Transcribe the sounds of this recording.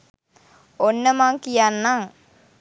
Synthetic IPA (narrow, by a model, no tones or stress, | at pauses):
onːəmaŋkijanːaŋ